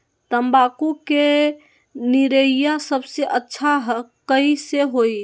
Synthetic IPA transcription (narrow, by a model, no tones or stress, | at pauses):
t̪əmbakuke | niɾəjasəbseʔətːʃʰaɦkəiseɦoj